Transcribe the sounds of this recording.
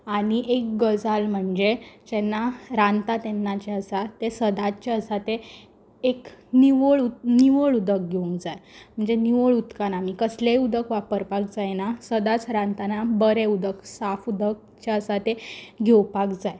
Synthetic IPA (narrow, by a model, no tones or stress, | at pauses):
aɽ̃iʔek̚ɡəd͡zalm̤əɳd͡zet͡ɕɛnːaɾãnt̪at̪enːat͡ɕeəsat̪esəd̪at͡ɕaəsat̪e | ekniʋəɭuniʋəɭud̪ək̚ɡʱeũŋkd͡zajm̤əɳd͡zeniʋəɭut̪kanamikəsleud̪əkʋapəɾpak̚d͡zajnasəd̪at͡sɾãnt̪anabəɾeud̪əksafud̪ək̚ | t͡ɕaəsat̪eɡʱewpakd͡zaj